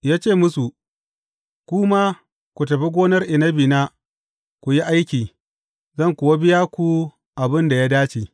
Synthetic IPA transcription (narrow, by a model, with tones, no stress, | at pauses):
jaː˦t͡ʃeː˦˨mʊ˦su˨ | kʷuː˦maː˦ | kʷu˨tɐ˨ɸi˦ɡʷoː˦nɐ˦rʔɪ˨nɐ˦biː˨na˦ | kʷu˨ji˦ʔa˦jkʲiː˨ | zɐ˦˨ŋkʷʊː˨wa˦bɪ˦jaː˦kʷu˨ | ʔa˨bɪ˦nda˨ja˦daː˦t͡ʃiː˨